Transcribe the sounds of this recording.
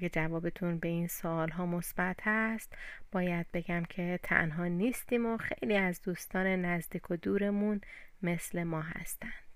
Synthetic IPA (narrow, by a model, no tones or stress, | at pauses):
ed͡ʒævɒːbet̪ʰunbe̞iːnsoːlɦɒːmo̞sb̥æt̪ʰhæst̪b̥ɒːjæd̪̥̚be̞ɡæmcʰe̞t̪ʰæ̰nɦɒːniːst̪iːmoxe̞̰jliːæzd̪uːst̪ɒːne̞næzd̪iːkʰod̪uːɾe̞munme̞sle̞mɒːɦæ̰st̪ænd̪̥